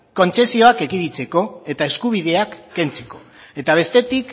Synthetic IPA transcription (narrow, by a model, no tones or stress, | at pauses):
ko̞nt͡se̞sio̞ake̞kiɾit͡se̞ko̞e̞t̪ae̞skuβ̞ið̞e̞akːe̞nt͡se̞̥ko̞ | e̞t̪aβ̞e̞st̪e̞t̪ik